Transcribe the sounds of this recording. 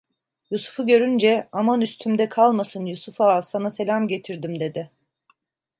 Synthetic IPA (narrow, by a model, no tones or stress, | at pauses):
jusu̥fuɟø̞ɾynd͡ʒɛamanyst̪ʰymd̪ɛkʰalˠmasɯnjusufasanase̞lʲamɟe̞t̪ʰiɾd̪imd̪e̞d̪ɪ